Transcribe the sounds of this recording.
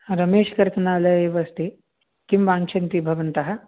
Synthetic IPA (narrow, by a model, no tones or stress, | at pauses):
ɾɐmeːʃɐkɐɾt̪ɐnaːlɐjeːʋɐst̪ʰi | kimʋaːnt͡ʃʰɐnt̪ibʱɐʋɐnt̪ɐɦɐ̆